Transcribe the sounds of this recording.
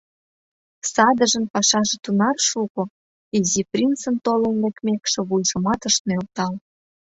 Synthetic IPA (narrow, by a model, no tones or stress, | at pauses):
sɑd̪ə̆ʒə̆npɑʃɑʒĕt̪unɑrʃuko | iziprʲint͡sənt̪olə̆nlekmʲekʃĕβujʒə̆mɑt̪əʃt̪̚nølt̪ɑl